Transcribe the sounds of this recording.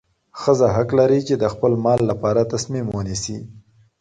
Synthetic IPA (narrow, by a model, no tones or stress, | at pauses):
xəzaɦaklaɾit͡ʃed̪əxpəlmɑlːapɑɾat̪asmimwənisi